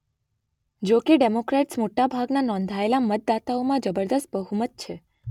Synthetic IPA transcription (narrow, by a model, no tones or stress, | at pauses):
d͡ʒokeɖemokɾaʈsmoʈabʱaɡnanɔ̃nd̪ʱaelamət̪̚d̪at̪aomãd͡ʒəbəɾd̪əst̪̚bəɦumət̪̚t͡ʃʰe